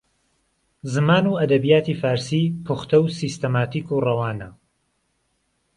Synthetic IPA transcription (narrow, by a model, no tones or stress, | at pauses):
zɨmaːnuɐd̪ɐbijaːt̪iːfaːɾsiːpʰuxt̪ɐwsist̪ɐmaːt̪ʰiːkurɐwaːnɐ